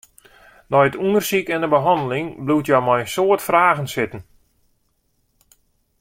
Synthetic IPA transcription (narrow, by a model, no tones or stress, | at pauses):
nɔjətundərsikɛndəbəɦɑndəlɪŋblutjɔwmɔjənsoətfraːɣən̩sɪtən̩